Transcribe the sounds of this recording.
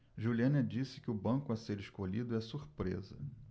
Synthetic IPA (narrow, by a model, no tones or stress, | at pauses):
ʒuliɐ̃nɐd͡ʒisɪ̥kɪʊbɐ̃kʊaseɾeʃkolid̪ʊɛsuɾpɾḛzɐ̰